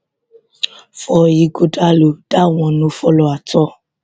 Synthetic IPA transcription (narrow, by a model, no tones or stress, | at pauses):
fɔjiɡodalod̥aw̃ɔ̃nũfɔlɔatɔ